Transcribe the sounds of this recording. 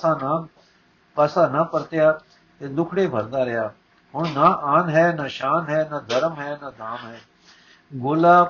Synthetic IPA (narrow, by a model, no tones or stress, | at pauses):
aːna | pəsaːnapəɾt̪ɪjaː | t̪eːd̪ʊkʰɽeːbʱəɾd̪aːɾɪjaː | ɦʊɳ̃naːaːnɦɛːnaːʃaːnɦɛːnad̪ʱəɾəmɦɛːnaːd̪ʱaːmɦɛː | ɡʊːlaː